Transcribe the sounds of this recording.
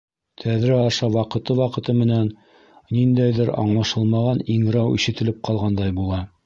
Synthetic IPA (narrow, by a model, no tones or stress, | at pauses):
t̪ʰæðɾɘɑʃɑwɑqɤ̆t̪ɤwɑqɤ̆t̪ɤmɘ̆næn | nind̪æjðɘɾɑ̰ɴlˠɑʃɤlˠmɑʁɑniŋɾɑwḭʃɘ̆t̪ɘ̆lɘp̚qɑlˠʁɑnd̪ɑjbulˠɑ